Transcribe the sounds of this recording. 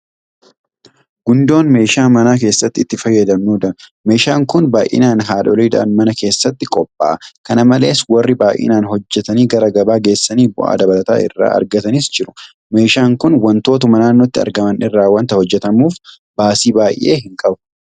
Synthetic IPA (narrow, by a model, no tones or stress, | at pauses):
ɡʊnd̪o̞ːnme̞ːʃaːmɐnaːk̬e̞ːsːɐt̪ːɪt̪ːɪfɐjːɐd̪ɐmnuːd̪ɐɾme̞ːʃaːŋkʊnbaːʔɪ̰naːnɦaːᶑɔliːd̪ɐ̰ʔɐ̰nmɐnɐke̞ːsːɐt̪ːɪkʼɔpʼːa̰ːɐkɐnɐmɐle̞ːswɐrːɪbaːjʔɪ̰naːnɦɔd͡ʒːɛt̪ɐniːɡɐɾɐɡɐbaːɡe̞ːsːɐniːbʊ̰ʔa̰ːd̪ɐbɐlɐt̪a̰ːɪ̰rːa̰ːʔɐ̰ɾɡɐt̪ɐnɪsd͡ʒɪɾʊ̥ | me̞ːʃaːŋkʊnwɐnt̪o̞ːt̪ʊmɐnaːnːot̪ːɪɐ̰ɾɡɐmɐnɪrːaːwɐnt̪ɐhɔd͡ʒːɛt̪ɐmuːf | baːsiːbaːjʔːe̞̰ːɦɪŋkʼɐbʊ̥